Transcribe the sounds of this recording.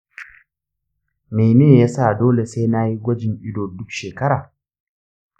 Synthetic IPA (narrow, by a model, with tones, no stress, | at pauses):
ma˨jne˦˨jaː˦sa˦˨doː˦le˨se˦na˦ji˦ɡʷɐ˦d͡ʒɪ˨ŋʔɪ˦doː˨dʊ˦kʃeː˨kɐ˦ɾaː˨